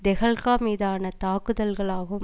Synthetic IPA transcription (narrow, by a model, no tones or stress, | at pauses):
d̪ɛɣɐɭkaːmiːðaːnɐt̪aːkɯðɐlɣɐɭaːɣɯm